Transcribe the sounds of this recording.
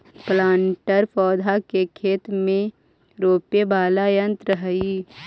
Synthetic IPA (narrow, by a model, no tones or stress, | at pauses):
plãːɳʈəɾpɔːd̪ʱakekʰeːt̪mẽ | ɾoːpebaːlajə̃nt̪ɾəɦəi